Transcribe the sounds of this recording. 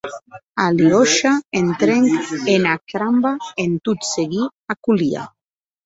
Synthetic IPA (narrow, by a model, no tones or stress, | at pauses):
aliɔʃaent̪ɾeŋkenakɾambaent̪ut̪seɣiakulia̰